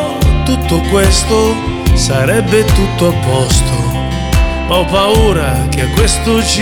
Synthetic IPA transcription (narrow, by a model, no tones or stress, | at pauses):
t̪ut̪ːokwest̪o | saɾɛbːet̪ut̪ːoapɔst̪o | ɔwpauːɾak̟eakːwest̪ʊt͡ʃ